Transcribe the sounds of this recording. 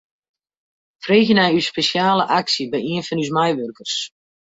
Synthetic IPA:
freːɣənɛjyspesjaːləʔaksibɛjiənfɔnys̬majʋørkərs

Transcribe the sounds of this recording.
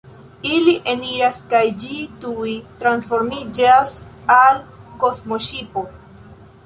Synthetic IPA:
iliʔeniɾaskajd͡ʒitujtɾansfo̞ɾmid͡ʒasalko̞smoʃipo̞

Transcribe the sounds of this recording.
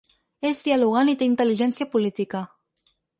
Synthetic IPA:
ezd̪ialuɣanit̪eint̪əliʒɛnsjapulit̪ika

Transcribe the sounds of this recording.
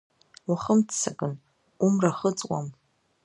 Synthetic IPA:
waχəmtʰt͡sʰːakʼɨn | umraχət͡sʼwa̰m

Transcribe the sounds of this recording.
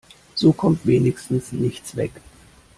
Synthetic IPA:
z̥oːkʰɔmtv̥eːnɪçstn̩snɪçt͡sv̥ɛ̰k

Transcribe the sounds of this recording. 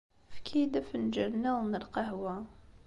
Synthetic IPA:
fkʰid̪æfnd͡ʒəlnæwnəlqɑhwæ

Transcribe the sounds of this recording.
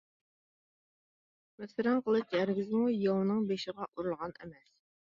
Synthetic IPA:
mesɪɾɛnqʰəlˠɨʃjæɾɡʲɪzmujɑwnɨŋbeʃɪʁɑʔuɾulˠʁɑnɛ̰mɛs

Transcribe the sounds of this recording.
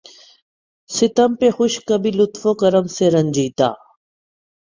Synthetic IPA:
sɪt̪əmpeːxʊʃkəbʱiːlʊt̪foːkəɾəmseːɾənd͡ʒiːt̪a̰ː

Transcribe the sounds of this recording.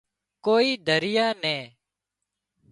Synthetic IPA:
koːiːd̪ʱəɾɪjaːnɛ̃ː

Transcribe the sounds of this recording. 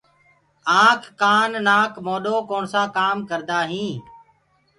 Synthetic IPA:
ãːkːaːnːaːkmoːɗoːkoːɳsaːkaːmkəɾd̪aːɦĩː

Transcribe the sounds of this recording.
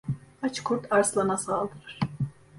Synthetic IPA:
at͡ʃkʰuɾt̪ʰaɾslˠanasaːlˠd̪ɯɾɯɾ̥

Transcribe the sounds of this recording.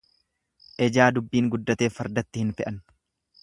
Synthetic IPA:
ʔɛd͡ʒaːd̪ʊbːiːŋɡʊd̪ːɐt̪e̞ːfɐɾd̪ɐt̪ːɪhɪnfɛʔɐn

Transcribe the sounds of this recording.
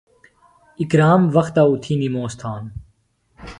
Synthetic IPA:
ɪkɾaːmʋɐxt̪aːut̪ʰiːniːmoːst̪ʰaːn

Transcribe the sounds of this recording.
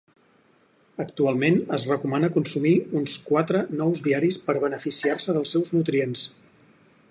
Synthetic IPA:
əkt̪ualˠmenəzrəkumanəkunsumiunskwat̪ɾənɔwzðiaɾispəɾβənəfisiarsəðəlˠsɛwznut̪ɾiens

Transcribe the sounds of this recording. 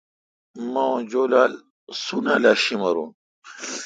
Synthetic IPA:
maõd͡ʑoːlaːl | sunaːlaːɕimɐɾṵn

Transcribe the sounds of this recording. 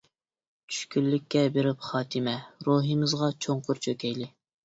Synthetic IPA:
t͡ʃʰy̥ʃkʲylːɪkʲːɛbeɾɪpχɑːt̪ʰɨmɛɾuɦɨmɨzʁɑt͡ʃʰoɴqʊɾt͡ʃʰøkʲɛjlɪ

